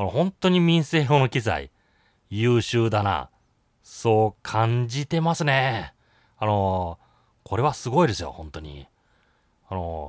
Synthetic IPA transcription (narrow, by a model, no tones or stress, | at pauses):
anohõ̞nt̪o̞ɲ̟imʲĩɰ̃se̞ːɦono̞kʲiza̰ḭ | jɯːɕɨːd̪ana̰ | so̞ːkʰãɲ̟d͡ʑit̪e̞masɨne̞ | ano̞ | kʰo̞ɾe̞βasɨɡo̞id̪e̞sɨjo̞̰hõ̞nt̪o̞ɲ̟ḭ | ano̞̰